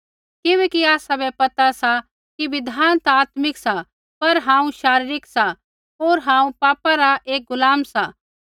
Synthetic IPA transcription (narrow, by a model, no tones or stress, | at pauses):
kɪʋɛːkiaːsabɛpɐt̪asa | kiʋɪd̪ʱaːnt̪aːt̪mɪksa | pɐɾɦãːũʃaːɾɪɾɪksa | oːɾɦãːũpaːpaɾaʔeːk̚ɡʊlaːmsa